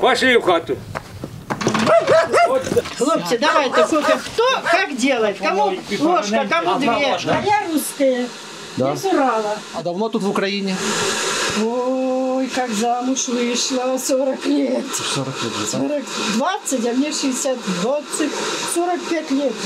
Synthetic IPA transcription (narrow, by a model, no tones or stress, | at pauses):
pɐʂɪjʊxat̪ʊ | lˠoptʲɪd̪ɐʋajt̪ɐkokɐxt̪okakdʲelˠəjt̪ʲkɐmulˠoʃʂkɐkɐmud̪vʲeajʲaɾuskəjə | d̪asɪɾalˠɐɐd̪ɐvnot̪ut̪vʊkɾɐinʲɪ | ojkakzamʊʂvɨʂlˠɐsoɾɐklʲet̪soɾəklʲɛt̪ʲsoɾəkd̪vat̪sːətʲɐmnʲeʂɨɪsʲat̪d̪vat̪sɨtʲsoɾɐk̚pʲætʲlʲet̪